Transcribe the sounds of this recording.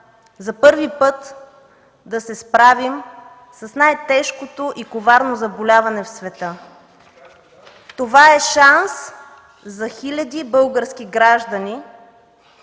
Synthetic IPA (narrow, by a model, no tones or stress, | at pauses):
zɐpɤɾvipɤt̪ | d̪ɐsɛspɾavim | sɐsnajt̪ɛʃkot̪oʔikovaɾnozɐbolʲavɐnɛfsvɛt̪ə | t̪ovaɛʃans | zɐxilʲɐd̪ibɤlˠɡəɾsk̟ʲiɡɾaʒd̪ɐni